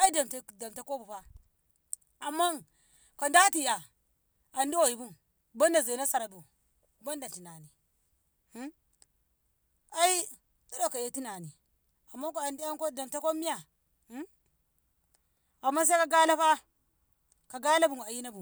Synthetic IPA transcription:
a˦i˦da˨mta˨˦da˨mta˦ko˦bu˨pa˦ | a˨mːa˦ | ka˨nda˦ti˨ja˨ | a˨ndi˦wa˨ji˨bu˦m | ba˦nda˨za˨na˦sa˨ɾa˨bu˨ | ba˦nda˨ti˨na˨ni˨˦ | a˦i˦ | tu˦da˨ka˨je˦ti˦na˨ni˨ | a˨mːa˦ka˨ndi˦ja˦ŋ˦ko˦da˨mta˦ko˦mi˦ja˨˦ | a˨mːa˦s̬a˦ka˦ɡa˦la˦pa˦ | ka˨ɡa˦la˦bu˨ŋ˨a˨ji˦na˦bu˨

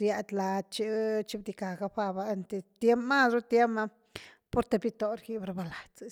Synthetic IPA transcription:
ɾja˧d̪la˧d̪̚t͡ʃi˦t͡ʃi˦bd̪i˧ka˨ɡa˧pa˧ba˧nt̪e˨t̪je˦mpma˦d̪ɾu˦t̪je˦ma˧ | po˧ɾt̪e˧bi˦t̪o˧ɾki˦bɾa˧ba˧la˨t͡si

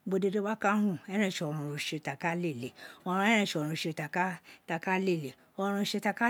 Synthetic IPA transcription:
bo˨˧de˧do˦ba˦kã˦ũ˦˨ɛ˦ɾ̃ɛ̃˦˨ʃɔ˨ɾũ˧ʃe˧˨ta˨ka˦le˦˨le˨ɔ˧ɾ̃ũ˧˦ɛ̃˦ɛ̃˦˨ʃɔ˨ɾ̃ũ˧˨ʃe˧˨ta˨ka˦ta˧ka˦le˦˨le˨ | ɔ˧ɾ̃ũ˧ʃe˧ta˧ka˦

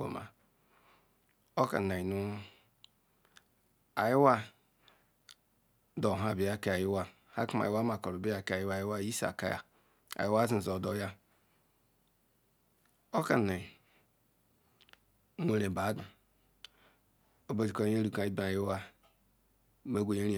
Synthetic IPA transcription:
o̰˨ma̰˨ | o˦ka̰˨na˨i˨nu˦ | a˨ji˦wa˦ | dɔ˨ɦa˨bi˨ja˦ke˦˨a˨ji˦wa˦ | ha̰˦ku˦ma̰˨˦wa˦ma˨kɔ˨ɾu˨bi˦a˨ka˨ji˦wa˨ji˦wa˦i˦sa̰˨ka̰˦ja̰˨ | a̰˨ji˦wa˦zi˦˨zɔ˨dɔ˦ja˦ | o˦ka˨na˨i˨˦ | e˨ɾe˨ba˨˦da˨ | o˦be˦zi˨ko˦˨˦e˦ɾu˨ka˨i˦ba˨ji˦wa˦ | me˦ɡʷo˨je˦ɾi˦˨

